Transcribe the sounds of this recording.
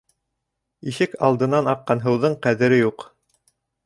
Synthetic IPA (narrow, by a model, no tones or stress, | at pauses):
iʃɘkɑlˠd̪ɤ̆nɑnɑqːɑnɦɤ̆wðɤɴqæðɘ̆ɾɘjuq